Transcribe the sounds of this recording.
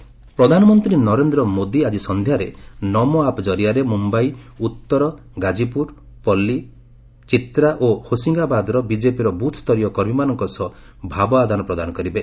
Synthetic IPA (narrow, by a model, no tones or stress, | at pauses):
pɾɔd̪ʱanɔmɔnt̪ɾinɔɾend̪ɾɔmod̪iad͡ʒisɔnd̪ʱjaɾenɔmɔapd͡ʒɔɾijaɾemumbajut̪ːɔɾɔ | ɡad͡ʒipuɾ | pɔlːi | t͡ʃit̪ɾaʔohosiŋɡabad̪ɾɔbid͡ʒepiɾɔbut̪ʰst̪ʰɔɾijɔkɔɾmimanɔŋkɔsɔ | bʱabɔad̪ʱanɔpɾɔd̪anɔkɔɾibe